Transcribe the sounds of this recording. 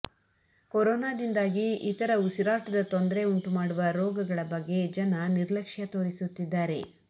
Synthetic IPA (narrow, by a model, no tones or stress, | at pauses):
koɾoːnaːd̪ind̪aːɡiit̪ɐɾɐusiɾaːʈɐd̪ɐt̪ond̪ɾe̞uɳʈumaːɽuʋɐɾɔːɡɐɡɐɭɐbɐɡːe̞d͡ʒɐnɐniɾlɐkʂjɐt̪o̞ːɾisut̪ːid̪ːaːɾe̞